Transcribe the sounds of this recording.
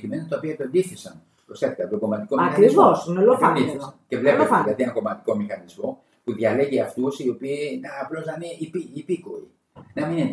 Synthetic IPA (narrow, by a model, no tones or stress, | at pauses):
kime̞not̪ɐopiɐep̪end̪iθisɐ̰n | posɐt̪ik̪ɐt̪oɡo̞mɐt̪ikoiɐkɾivosnelofɐd̪iθisce̞vlepilɐðienɐko̞mɐt̪i̥ko̞mixɐnizmo̞ | puðʝɐle̞ʝeɐft̪usio̞piːnːplo̞znɐniipiːpikoḭ | nɐmine